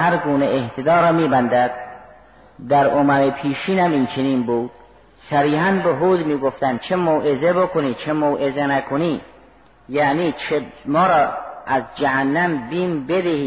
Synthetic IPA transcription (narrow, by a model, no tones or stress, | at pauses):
hæɾɡuːneʔeht̪ʰed̪ɒːɾɒːmiːbænd̪æd̪̥̚ | d̪æɾomæɾepʰiːʃiːnæmint͡ʃʰeniːnbuːd̪̥̚ | sæɾiːɦænbeɦuːd̪miːɡoft̪ænd̪̥̚t͡ʃʰemoːʔezebokʰoniːt͡ʃʰemoːʔezenækʰoniː | jæniːt͡ʃʰemɒːɾɒːʔæzd͡ʒæɦænːæmbiːnbed̪ehiː